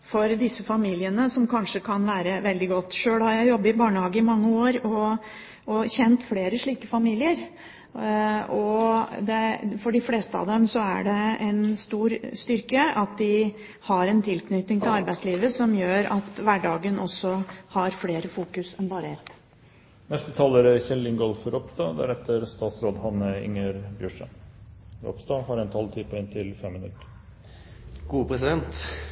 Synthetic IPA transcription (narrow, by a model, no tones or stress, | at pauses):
fɔɾd̪ɪsːəfɑmiːlɪənəsɔmkʰɑnʂəkʰɑnʋæːɾəʋɛld̪ɪɡɔt̪ːʂøːlhɑɾjæɪjɔbːəɪbɑːɳəhɑːɡəɪmɑŋːəoːɾɔ | ʔɔçɛnt̪fleːɾəʂɭiːkəfɑmiːlɪəɾ | ɔd̪ɛfɔɖɪfleːst̪əɑ̰ʋd̪ɛmsɔæ̰ɖɛɛnst̪uːɾst̪ʏɾkəɑt̪̚d̪ɪ | hɑɾɛnt̪ʰɪlknʏt̪nɪŋt̪ʰɪlɑɾbæɪsliːʋəsɔmjøːɾɑt̪ʋæɖɑːɡənʔɔsːɔhɑɾfleːɾəfuːkʉsɛnbɑːɾəɛt̪ː | nɛst̪ət̪ʰɑːləɾæçɛlːɪŋɡɔlfɾɔpsd̪ɑd̪æ̰ɾɛt̪ʰːəɾst̪ɑːt̪sɾoːd̪hɑnəɪ̰ŋəɾbjœʂə | ɾɔ̰psd̪ɑhɑɾɛnt̪ʰɑlt̪ʰipʰɔɪnt̪ʰɪlfɛmːɪnʉ̰t̪ːəɾ | ɡ̥uːpʰɾɛsɪd̪ɛnt̪